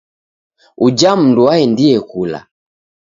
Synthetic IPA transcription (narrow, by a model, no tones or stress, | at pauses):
ud͡ʒam̩nduwaɛndiɛkula̰